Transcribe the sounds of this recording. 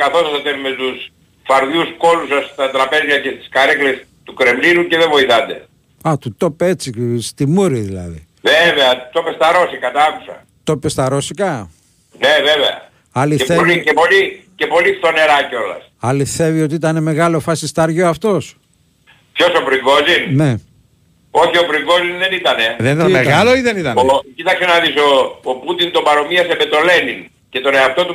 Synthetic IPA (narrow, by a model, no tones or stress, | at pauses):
kɐθo̞sɐsɐt̪enumest̪us | fɐɾðjusko̞lusɐst̪ɐt̪ɾɐpe̞zʝɐce̞st̪i̥skɐɾekɾes | t̪ukɾe̞mliluceðevo̞iθɐnd̪e̞̰ | ɐt̪ut̪o̞pet͡sist̪imuɾiðilɐ̰ðḭ | veveɐt̪o̞pest̪ɐɾo̞sikɐt̪ɐɐku̥sɐ̰ | t̪o̞pest̪ɐɾosikɐ | ne̞veveɐ̰ | ɐlieθeoliepo̞lice̞po̞lifθo̞ne̞ɾɐceo̞lɐ̰s | ɐliθe̞vio̞t̪iit̪ɐne̞me̞ɣɐlo̞fɐsist̪ɐɾʝoɐft̪o̞s | pço̞sopɾiŋɡozinne̞ | o̞çio̞pɾiŋɡo̞zinðe̞nit̪ɐne̞ðenit̪ɐneɣɐloiðenit̪ɐnocit̪ɐksenɐðisoːput̪int̪o̞bɐɾo̞miɐsembet̪o̞le̞nin | ce̞t̪o̞neɐft̪o̞t̪u